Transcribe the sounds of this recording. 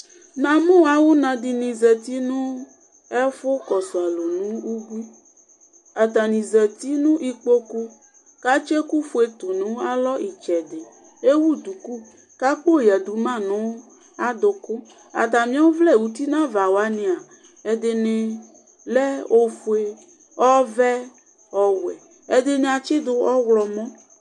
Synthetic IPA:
nã˨mõ˦wa˨˦wu˦nã˨d̪i˨nĩ˨zɛ˨t̪i˦nũ˦ | ɛ˦fo˦kɔ˨so˨a˨lo˨nũ˦wu˦ɡʷi˦ | a˨t̪a˨nĩ˨zɛ˨t̪i˦nũ˦ʔi˦k͡po˦ku˦ | ka˦t͡ʃe˦ku˦fo˦e˦t̪o˨nũ˦a˦lɔ˦ʔi˨t͡ʃɛ˨de˨ | e˦wu˦d̪u˨ku˦ | ka˦k͡po˦˨ja˨d̪u˨mã˦˨nɔ̃˨˦w | a˦d̪o˨ko˦ | a̰˨t̪̬ã˨mĩ˦ã˦o˦vlɛ˦˨wu˨t̪i˦nã˦va˨wa˦nẽ˨a˨ | e˨d̪e˨nẽ˨ | lɛ˦o˦fo˨˦e˦ | ɔ˦vɛ˦ | ɔ˨wwɛ̰˨ | e˦d̪e˨nẽ˨a˨t͡ʃe˦d̪o˨ɔ˦wlɔ˨mɔ̃˦

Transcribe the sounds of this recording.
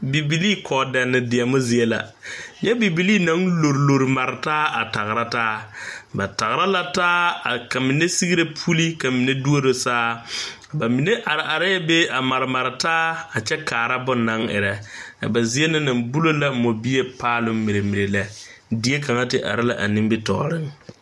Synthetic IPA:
bi˨bi˨liː˦kʰɔː˨dɛ˨nːɪ˨dɪ˨a˨mʊ˦zɪ˨e˦la̰˨jɛ˦bi˨bi˨liː˦na˨˦ŋlo˨ɾlo˨ɾma˨ɾɪ˨taː˦a̰˨ta˨ɣɪ˨ɾa˦taː˦ba˨ta˨ɣɪ˨ɾa˦la˦taː˦a˨ka˨mɪ˨ne˦si˦ɡi˦ɾe˦pʰu˦li˦ka˨mi˨ne˦du˦o˦ɾo˨saː˦˨ | ba˨mi˨ne˦ʔa˨ɾɪ˨ʔa˨ɾa˦jɛ˦be˦a˨ma˨ɾɪ˨ma˨ɾɪ˨taː˦a˨t͡ʃɛ˦kaː˨ɾa˦bʊ˦na˨˦ŋɪ̰˨ɾɛ˦a̰˨ba˨zɪ˦e˦nɪ˦na˨mbu˦lo˦la˦mo˨bi˦e˦paː˦lʊ˦mmi˨ɾe˨mi˨ɾe˨la˨ | di˦e˦ka˨ŋa˦tɪ˨ʔa̰˨ɾɪ˦la̰˨ʔa̰˨nɪ˦bɪ˦tɔ̰˨ɾɪ˦ŋ

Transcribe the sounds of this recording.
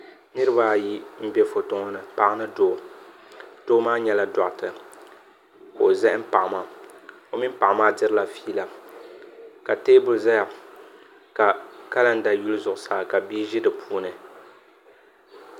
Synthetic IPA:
nɨ˦ɾɨ˦ba˦˨ji˦m̩˦bɛ˦fo˨tʊ˦ŋɔ˦nɨ˨pa˦ʔnɨ˦doː˦˨ | d̥oː˦maː˦ɲɛ˦la˦dɔ˨ʔtɨ˨ | ko˨zɛ˦ʔm̩˦pa˨ʔmaː˨ | o˨mi˦pa˨ʔmaː˦dɨ˦ɾɨ˦la˨fiː˦la˨ | ka˨teː˦bʊ˨lza˦ja˨ | ka˨ka˦la˦n̩˦da˨ju˦lzʊ˨ʔʊ˨saː˦˨ka˨bi˦ʒɪ˦dɨ˨pʰuː˦nɨ˨

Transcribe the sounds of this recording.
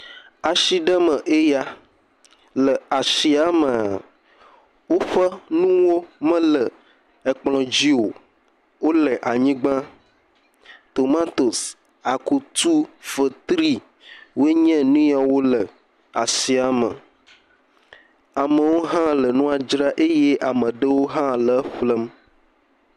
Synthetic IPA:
a˨ʃi˦ɖə˦mə̃˨ʔe˦ja˦ | lə˨a˨si˨a˦mə̃˨a̰˨ | wo˦ɸə˦nũ˦wo˦mə̃˦lə˨ | e˨k͡plɔ̃˨d͡ʑi˦o˨ | wo˦lə˨ʔa˨ɲĩ˦ɡ͡bã˦ | t̪o˨mã˦t̪o˨s | a˨ku˨t̪u˦fə˨t̪ɾi˦ | wo˦e˦ɲɛ̃˦nũ˦ja˨wo˦lə˨ | a˨si˨a˨mə̰˨ | a˨mə̃˨wo˦ɦã˦lə˨nũ˦a˨d͡ʒɾa˦ʔe˦je˦ʔa˨mə̃˨ɖə˦wo˦ɦã˦lə˨˦ɸlə˦m

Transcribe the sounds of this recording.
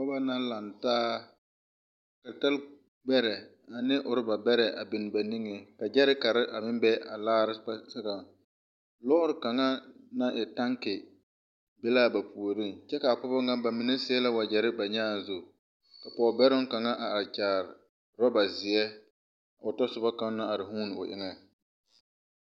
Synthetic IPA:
pɔ˦ba˦na˦la˨ntaː˦ | ka˨ta˦l | ɡ͡bɛ˦ɾɛ˨ | a˨nɪ˦ʔʊ˨ɾɪ˦ba˨bɛ˦ɾɛ˨ʔa̰˨bɪ˨nɪ˨ba˨ni˦ŋe˨ka˨d͡ʒɛ˦ɾɪ˦ka˨ɾɪ˦ʔa˨mɪ˦mbɛ˦ʔa˨laː˦ɾɪ˦a˦sa˦ka˨ | lɔː˦ʊ˦ɾɪ˨ka˨ŋa˦na˦ʔɪ˨ta˦ŋkɪ˨ | bɪ˦la˦ba˨pʰu˨o˨ɾi˦ŋt͡ʃɛ˦ka˨a˨pʊ˦bɔ˦ŋa˦ba˨mi˨ne˦sɪ˦la˦wa˨d͡ʒɛ˨ɾɪ˦ba˨ɲɛ˦a˨zʊ˨ | ka˨pɔ˨bɛ˦ɾʊ˦ŋka˨ŋa˦ʔa˨a˨ɾt͡ʃaː˨ɾɪ˨ | ɾɔ˦ba˨zɪ˨ɛ˦ | a˨ʊ˨tɔ˦sʊ˨ba˦ka˦na˦a˨ɾɪ˨ɦuː˦n˨ʊ̰˨ʔɪ̰˦ŋɛ˦

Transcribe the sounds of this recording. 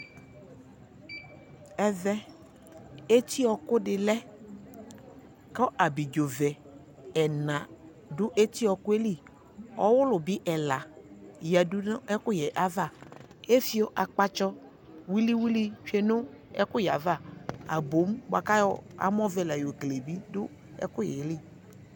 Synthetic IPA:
ɛ˦vɛ˦ | e˦t̪i˦ɔ˨kʊ˦dɪ˨lɛ˦ | kɔ˦ʔa˨bi˨d͡ʒo˨vɛ˨ | ɛ˨nã˨ | dʊ˦ʔe˦t̪i˦ɔ˨kʊ˦e˦li˦˨ | ɔ̰˦wʊ˦lʊ˨bi˦ʔɛ˨la˨jɛ˨dʊ˦n˦ɛ˦kʊ˦jɛ˨ʔa˨va˦˨ | e˦fi˨˦o˦ʔa˨k͡pa˦t͡ʃɔ˦ | wi˦li˦wi˦li˦t͡ʃe˨nʊ˦ɛ̰˦kʊ˦ja˨va˦˨a̰˨bo˨˦m˦ba˨ka˦jɔ˦a̰˨m˦ɔ˦vɛ˨la˨jo˨kle˨bi˦dʊ˦ | ɛ̰˦kʊ˦jɛ̰˨li˦˨

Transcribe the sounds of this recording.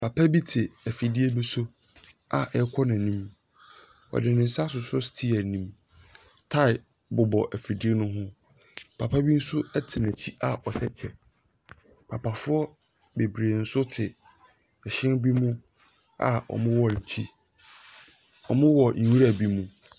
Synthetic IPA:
pʰa˨pʰa˦bi˦tʰɪ˨æ˨fi˨di˦e˦nʊ̃˦sʊ˦ | a˨ʔɛ˦kʷʰɔ˦nã˨nĩ˦m | ɔ̰˨dɪ˨nɪ̃˨n̩˨sa˦s̬ʊ˨sʊ˦stʰi˦æ˨nĩ˦m | tʰa˦ɪ˨ | bʊ˨bɔ˨ʔæ˨fi˨di˦e˦nʊ̃˦ɦʊ̃˦ | pʰa˨pʰa˦bi˦n̩˦sʊ˦ɛ˦tʰɪ˨næ˨t͡ɕʰi˦a˨ʔɔ˨sɛ˦t͡ɕʰɛ˨ | pʰa˨pʰa˨fʊ˦ɔ˦ | be˨bɾe˨n̩˦sʊ˦tʰɪ˨ | ɛ˨ɕɪ̃˦nbi˦mũ˦ | a̰˨ɔ̰˨mʊ̃˦wɔ˨n̩˨tʰi˦ | ɔ˨mʊ̃˦wɔ˨n̩˨wu˦ɾa˨bi˦mũ˦

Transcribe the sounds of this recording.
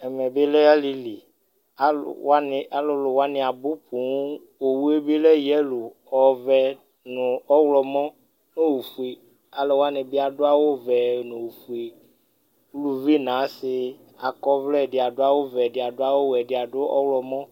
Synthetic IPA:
ɛ˨mɛ˨be˦lɛ˦a˦li˨li˨ | a̰˦˨a˦nɪ˨a˨lʊ˨lʊ˨wa˦nɪ̃˨a˨bʊ˦pu˨˦ | o˨wu˦e˦be˦lɛ˦jɛ˦lu˨ | ɔ˨vɛ˨ | nʊ̃˨ɔ˦wlɔ˨mɔ̃˦ | nõ˦wu˨fu˦e˨ | a˨lɔ˨wa˦nɪ̃˨bɪ˦a˨ɖʊ˦a˦wo˦vɛ˨nʊ̃˨wu˨fu˨e˨ | wlu˨vi˦nã˨˦sɪ˨ | a˨kɔ˦vlɛ˦˨dɪ˨a˨ɖʊ˦a˦wo˦vɛ˨dɪ˨a˨ɖʊ˦a˦wo˦wɛ˨ɖɪ˨a˨ɖʊ˦ɔ̰˦wlɔ˨mɔ̃˦

